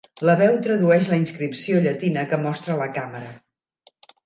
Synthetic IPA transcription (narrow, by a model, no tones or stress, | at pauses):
ləβɛwt̪ɾəðuɛʃləinskɾipsioʎət̪inəkəmɔst̪ɾələkaməɾə